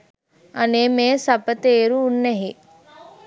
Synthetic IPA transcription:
ɐnemẽsɐpət̪eːɾuːnːeɦi

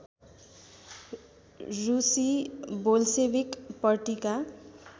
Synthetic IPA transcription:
rusibolsebikpʌrʈika

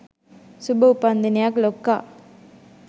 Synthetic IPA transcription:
subɐʊpːaːnd̪ɐnijaːklokːaː

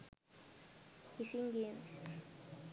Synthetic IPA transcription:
kisiŋɡems

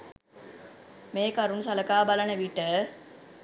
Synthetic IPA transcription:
meːkɐɾunsɐləkaːbalanəʋiʈə

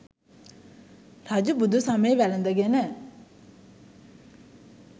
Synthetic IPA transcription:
rad͡ʑubud̪usameʋɛlənd̪aɡenɛ

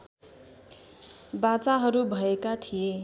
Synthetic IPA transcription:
bat͡saɦʌɾubʱʌekat̪ʰije

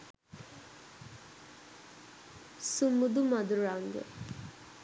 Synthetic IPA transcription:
sumud̪umad̪uɾaŋɡə̰

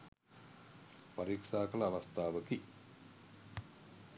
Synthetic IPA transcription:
paɾiːkʂaːkələːʋast̪aːʋəki

